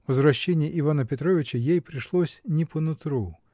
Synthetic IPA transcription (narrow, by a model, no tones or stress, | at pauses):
vəzvɾɐɕːenʲɪjəʔɪvanəpʲɪt̪ɾo̞vʲɪt͡ɕəjejpɾʲɪʂlˠosʲnʲɪpənʊt̪ɾu